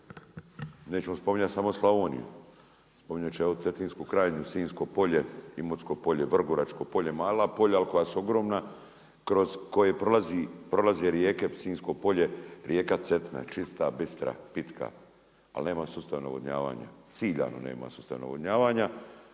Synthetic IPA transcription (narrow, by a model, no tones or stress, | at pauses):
neːt͡ɕemospomiɲat̪samoslˠaonḭjṵ | spomiɲat͡ʃeot̪set̪iːnskukɾaːjeɲusiːnskopo̞ʎe̞imosko̞po̞ʎeʋr̩ɡoɾat͡ʃko̞po̞ʎe̞maːlapo̞ʎaːlko̞jasuo̞ɡɾo̞ːmna | kɾo̞zko̞jepɾolazipɾo̞lazeɾjekesiːnsko̞po̞ʎe̞ɾjekat̪se̞t̪na̰t͡ʃist̪abist̪ɾa̰pit̪kʰa̰ | a̰lne̞ːmasuːst̪aʋna̰ʋod̪ɲa̰ːʋa̰ːɲa̰t̪siːʎa̰ːno̰nḛːma̰suːst̪a̰ʋna̰ʋod̪ɲaːʋaːɲa